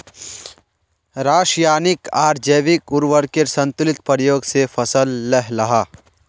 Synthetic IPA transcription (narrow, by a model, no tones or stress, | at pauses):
ɾaːʃjaːnɪkaːɾd͡ʒəjʋɪkʊɾʋəɾkeɾsɐ̃nt̪ʊlɪt̪pəɾjoːɡsefʰɐsəlːɛɦlɐɦaː